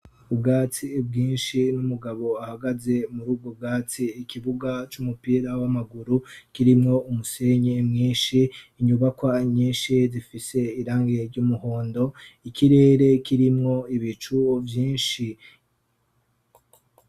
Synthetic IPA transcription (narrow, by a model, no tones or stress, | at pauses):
ubɡaːt͡sib̚ɡĩːnʃinumuɡaβo̞ahaɡaze̞muɾuːb̚ɡob̚ɡaːt͡siːkiβuɡat͡ʃumupiːɾawamaɡuɾukiɾimŋo̞umuse̞ɲemŋiːnʃiːɲuβakwaɲĩːnʃizifise̞iɾaːŋɡeɾɟumuhoːndo̞ikʰiɾe̞ːɾe̞kiɾimŋo̞iβit͡ʃuvjiːnʃi